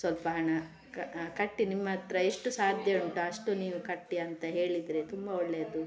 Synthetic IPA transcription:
sʋɐlpɐɦɐɳɐ | kkɐʈːinimːɐt̪ɾɐeʂʈusaːd̪ʱjɐɳʈuɐʂʈuniːʋukɐʈːiɐnt̪ɐɦe̞ːɭid̪ɾet̪umbɐɔɭːeɐd̪u

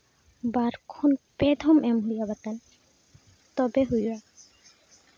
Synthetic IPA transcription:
baɾkʰunped̪ʱɔmɛmɦujabat̪an | t̪ɔbeɦuja

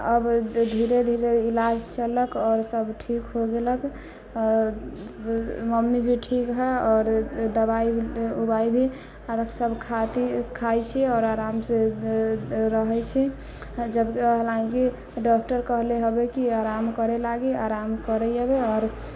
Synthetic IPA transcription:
əbd̪ʱiɾed̪ʱiɾeilad͡ʒt͡ʃələkɔːɾsəbʈʰikɦoɡeləkː | məmːibʱiʈʰikɦɛɔːɾd̪əbaiubaibʱi | asəbʱkʰat̪ikʰajt͡ʃʰɛɔːɾaɾamse | ɾəɦɛt͡ʃʰɛ | d͡ʒəbkɦlaĩki | ɖɔk̚ʈəɾkəɦleɦobekiaɾamkəɾɛlaɡeaɾamkəɾɛjəbeɔːɾ

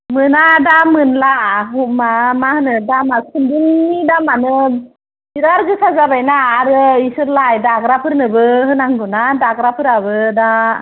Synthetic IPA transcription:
mɯnadamɯnlaɦumamahɯnɯdamasɯnduŋːidamanɯ | iɾaɾɡɯsazabajnaːɾɯisɯɾlajdaɡɾapʰɯɾnɯbɯɦɯnaŋɡɯnadaɡɾapʰɯɾabɯda

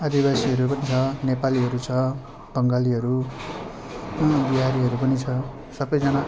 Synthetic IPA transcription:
ʌd̪ibasiɦʌɾupʌnit͡sʰʌnepaliɦʌɾut͡sʰʌ | b̥ʌŋɡaliɦʌɾu | biɦaɾiɦʌɾupʌnit͡sʰʌ | sʌbʌjd͡zʌna

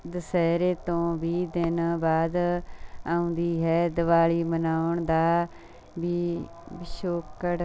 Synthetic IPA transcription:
d̪əsɛːɾeːt̪õːbiːd̪ɪnaːbaːd̪ | aːʊ̃nd̪iːɦɛːd̪əʋaːliːmənaːʊɳd̪aː | biː | bɪʃoːkːəɽ

